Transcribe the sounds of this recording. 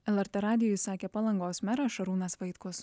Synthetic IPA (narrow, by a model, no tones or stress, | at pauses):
ɛlˠɛɾʲt̪ɛɾɑːd̪ʲɪjɔjsɑːkʲeːpɐlˠɐŋɡoːsmʲɛɾɐʃɐɾuːnɐsʋɐɪt̪kʊs